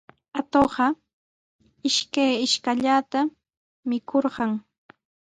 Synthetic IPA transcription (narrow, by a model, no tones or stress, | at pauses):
at̪oɢɑ | ɪʃkajɪʃkaʎat̪a | mɪkʰoɾɢɑŋ